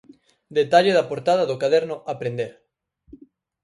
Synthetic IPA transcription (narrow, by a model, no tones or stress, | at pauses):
d̪et̪aʎeðapoɾt̪að̞aðokaðeɾnoʔapɾend̪eɾ